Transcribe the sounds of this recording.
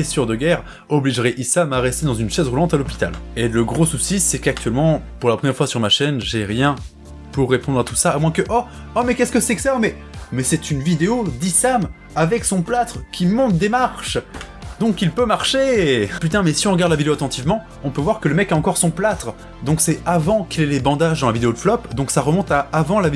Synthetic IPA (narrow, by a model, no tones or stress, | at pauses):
esyʁd̪əɡʲɛʁ | ɔbliʒʁɛʔisamaʁɛst̪ed̪ɑ̃zynʃɛzʁulɑ̃t̪alɔpi̥t̪a̰leləɡʁosusisɛkak̚t̪ɥɛlmɑ̃puʁlapχəmjɛʁfwasyʁmaʃɛnʒeʁjɛ̃ | puʁːepɔ̃d̪ʁat̪u̥saːmwɛ̃kəʔɔ | ɔmɛkʲɛskəsɛksamɛ | mɛsɛt̪ynvid̪eod̪isam | avɛksɔ̃plat̪χkʲʰimɔ̃t̪̚d̪emaʁʃ | d̪ɔ̃kilpømaʁʃepyt̪ɛ̃mɛsiɔ̃ʁəɡaʁd̪lavid̪eoat̪ɑ̃t̪ivmɑ̃ | ɔ̃pøvwaʁkələmɛkaɑ̃kɔʁsɔ̃plat̪χ | d̪ɔ̃ksɛavɑ̃kilɛlebɑ̃d̪aʒd̪ɑ̃lavid̪eod̪əflɔpd̪ɔ̃ksaʁəmɔ̃t̪aːvɑ̃lav